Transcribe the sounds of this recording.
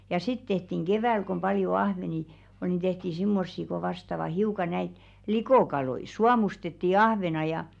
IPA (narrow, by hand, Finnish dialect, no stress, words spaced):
jɑ sit tehtiŋ ɡ̊eʋæˑl kom pɑljo ɑhʋeni ol ni tehti simːosːi ko ʋɑstɑʋɑ hiukɑ næit likoˑkɑloi suɑmustetːi ɑhʋenɑ jɑ